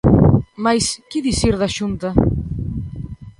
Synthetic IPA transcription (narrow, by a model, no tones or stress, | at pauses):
majskiðisiɾðaʃunt̪a